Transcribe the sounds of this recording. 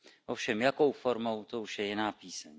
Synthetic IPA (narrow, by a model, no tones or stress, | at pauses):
ʔofʃɛmjako̞wfo̞ɾmo̞wt̪o̞uʃjɛjɪnaːpiːsɛɲ